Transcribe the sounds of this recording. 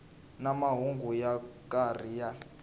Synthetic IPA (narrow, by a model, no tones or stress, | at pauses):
namaɦuŋɡujakʼarija